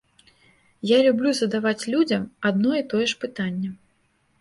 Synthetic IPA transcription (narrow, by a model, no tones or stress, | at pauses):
jalʲublʲuzɐd̪avat͡sʲlʲud͡zʲɐmad̪nɔit̪ɔjɛʂpɨt̪anʲːɛ